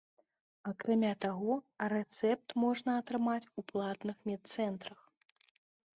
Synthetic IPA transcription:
akɾamʲat̪aɣɔɾɛt̪sɛp̚t̪mɔʐnɐɐt̪ɾɨmat͡sʲuplˠat̪nɨxmʲɛt̪̚t̪sɛnt̪ɾɐx

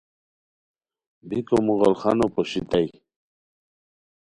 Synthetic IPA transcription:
bikomuɣolχanopoɕit̪aj

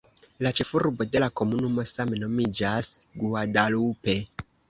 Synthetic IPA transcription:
lat͡ʃe̞fuɾbo̞de̞lako̞munumo̞sameno̞mid͡ʒasɡuadalupe̞

